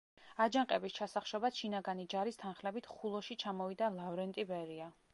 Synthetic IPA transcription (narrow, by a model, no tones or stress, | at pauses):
ad͡ʒaŋqʼɛbist͡ʃʰasaχʃɔbat̪ʃinaɡanid͡ʒaɾist̪ʰanχlɛbit̪ʰχulˠɔʃit͡ʃʰamɔvid̪alˠavɾɛnt̪ʼibɛɾia